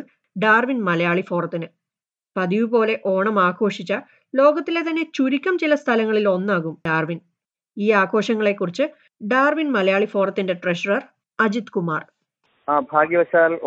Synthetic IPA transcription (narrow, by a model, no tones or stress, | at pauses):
ɖaːrʋinmɐlɐjaːɭifo̞ːrɐt̪ːinɨ | pɐðiʋupo̞ːle̞ʔo̞ːɳɐmaːɡʰo̞ːʂit͡ɕːɐ | lo̞ːɡɐt̪ːile̞t̪ɐnːe̞t͡ɕuɾikʲːɐmt͡ɕilɐst̪ʰɐlɐŋːɐɭilo̞nːaːɣumɖaːrʋin | iːaːɡo̞ːʂɐŋːɐɭe̞kːurit͡ɕːɨ | ɖaːrʋinmɐlɐjaːɭifo̞ːrɐt̪ːinde̞ʈreɕɐrɐr | ɐd͡ʑit̪kumaːr | aːbʱaːɡjɐʋɐɕaːl